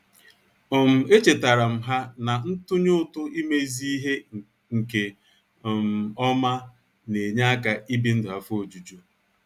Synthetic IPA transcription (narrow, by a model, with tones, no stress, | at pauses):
ɔ˨m̩˨e˦t͡ʃe˨ta˨ɾa˨m̩˨ɦa˦na˨n̩˦tʊ˦ɲʊ˦tʊ˦i˦me˦zi˦i˦ɦe˦ | ŋ̩˨ke˨ | m˨ɔ˦ma˦ | ne˨ɲa˦a˦ka˨i˦bi˦n̩˦dʊ˨a˨fo˨d͡ʒu˨d͡ʒu˦